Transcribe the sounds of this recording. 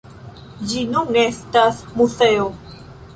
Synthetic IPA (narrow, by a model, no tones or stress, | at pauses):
d͡ʒinuŋestasmuseo